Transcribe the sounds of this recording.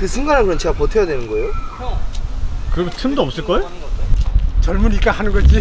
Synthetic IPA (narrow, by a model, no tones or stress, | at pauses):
kɯsʰɯŋɡaɾɦankɯɾʌnt͡ɕʰeɡapotʰejadwe̞nɯnɡʌejo | kɯɾeɡtʰɯmdoʌp̚s͈ɯɭk͈ʌeo | t͡ɕʌɭmunik͈ahanɯnɡʌd͡ʑi